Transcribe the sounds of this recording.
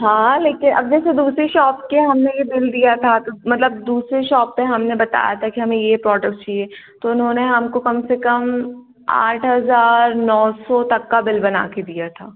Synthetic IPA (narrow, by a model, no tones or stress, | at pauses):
ɦãːleːkɪnʔɐ̰b̚d͡ʒɛːsed̪uːsɾeʃɔːpkeɦɐmnejebɪld̪ijat̪ʰat̪omɐt̪ləb̚d̪uːsɾeʃɔːpːẽɦɐmnebɐt̪a̰ːja̰t̪ʰakiɦɐmẽjepɾɔːɖək̚ʈt͡ʃieːt̪oʊnɦõːneɦɐmkokɐmsekɐm | a̰ːʈʰɦɐzaːɾnɔːsɔt̪ɐkːabɪlbɐna̰ːked̪ijat̪ʰaː